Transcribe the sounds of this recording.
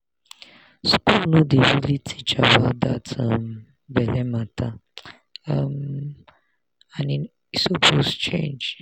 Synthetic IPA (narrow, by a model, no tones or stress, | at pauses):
skulnõdewulitʰi̥t͡ʃabadatʰam | bɛlɛmata | m | anin | sopʰost͡ʃḛ̃nd͡ʒ